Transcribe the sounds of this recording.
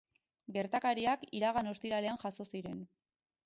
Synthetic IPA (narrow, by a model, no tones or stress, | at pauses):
ɡe̞ɾt̪akaɾiakiɾaɣano̞st̪iɾale̞anʝaso̞siɾe̞n